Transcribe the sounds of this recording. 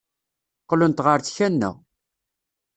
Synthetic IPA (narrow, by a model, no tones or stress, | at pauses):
qːlʊnt̪ʁəɾt͡sçænːə̰ʁ